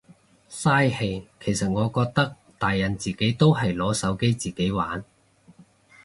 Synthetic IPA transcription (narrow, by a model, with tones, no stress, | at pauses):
saː˥jhe˧jkʰe˨˩jsɐ˨t̚ŋɔː˨˧kɔː˧k̚t̪ɐ˥k̚ | t̪aː˨jːɐ˨˩nt͡siː˨ke˨˥jt̪o˥wɦɐ˨jlɔː˨˥sɐ˨˥wke˥jt͡siː˨ke˨˥jwa̰ː˨˥n